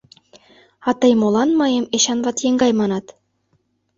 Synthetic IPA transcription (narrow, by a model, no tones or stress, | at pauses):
ɑt̪ɤjmolˠɑnmɑjemeɕɑnβɑt̪jeŋɡɑjmɑnɑt̪